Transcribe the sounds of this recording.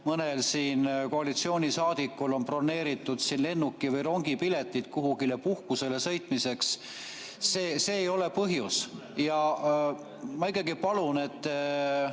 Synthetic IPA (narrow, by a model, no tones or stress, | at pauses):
mɤne̞lsiːnko̞ɑlit̪sio̞ːnʲisɑːd̪̥ikːulo̞npro̞nːe̞ːɾit̪ːˑud̪̥sinle̞nːukːˑivɤjro̞ŋɡipile̞t̪ːˑit̪kuɦuɡile̞puhkuse̞le̞sɤjt̪ˑmise̞ksː | eːse̞ːjo̞le̞pɤɦjus | jɑ | mɑikːˑɑɡipɑlune̞t̪ː